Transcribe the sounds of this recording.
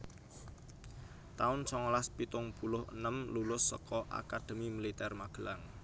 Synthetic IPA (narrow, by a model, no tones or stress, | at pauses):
t̪aʊnsɔŋlaspit̪ʊŋpulʊhə̰nəmlulʊsːɔ̰kɔʔa̰kad̪̥ə̤mimilit̪ɛrmaɡ̥əlaŋ